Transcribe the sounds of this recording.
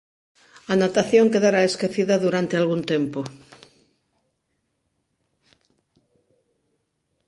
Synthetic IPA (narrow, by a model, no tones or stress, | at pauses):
anat̪aθjõŋkeðaɾaeskeθiðaðuɾant̪ealɣunt̪empo